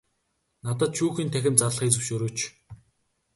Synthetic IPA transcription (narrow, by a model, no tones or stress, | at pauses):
nat̪ə̆t̪̚ʃuːxiːnt̪ʰæxʲɪ̆nt̪t͡sarɮə̆χit͡sɵ̆wʃɵɾɵːt͡ɕ